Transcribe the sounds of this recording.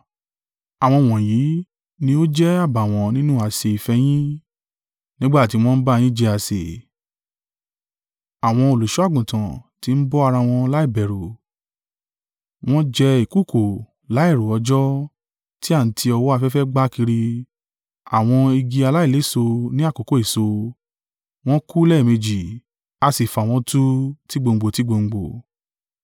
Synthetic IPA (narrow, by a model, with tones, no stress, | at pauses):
a˨w̃ɔ̃˧w̃ɔ̃˨ji˨˦ | nĩ˧˦o˦d͡ʒɛ˦a˦˨ba˨w̃ɔ̃˨˦nĩ˦nũ˦a˨se˨i˨fɛ˧j̃ĩ˦ | nĩ˦ɡ͡ba˦˨ti˧˦˧w̃ɔ̃˦n̩˦ba˦˧j̃ĩ˦d͡ʒɛ˧a˨sḛ˨ | a˨w̃ɔ̃˧o˨lu˨ʃu˨˦a˦˨ɡũ˨tã˨ti˧˦n̩˦bɔ˦a˧ɾa˧w̃ɔ̃˧la˦i˦˨bɛ˨ɾu˨ | w̃ɔ̃˦d͡ʒɛ˧i˨ku˦˨kʰo˨ | la˨˦i˦˨ɾo˨ɔ˧d͡ʒɔ˦ | ti˦a˦˨n̩˨tʰi˧ɔ˧wɔ˦a˧fɛ˦fɛ˦ɡ͡ba˦ki˧ɾi˧ | a̰˨w̃ɔ̃˧i˧ɡi˧a˧la˦i˦˨le˨˦˨so˧nĩ˦a˦˨ko˨ko˦i˦˨so˧ | w̃ɔ̃˦ku˦lɛ˦˨mẽ˧d͡ʒi˨ | a˧si˨fa˨w̃ɔ̃˧˦tu˦ti˦ɡ͡bo˧ŋ̩˨ɡ͡bo˨ti˨˦ɡ͡bo˧ŋ͡m̩˨ɡ͡bo˨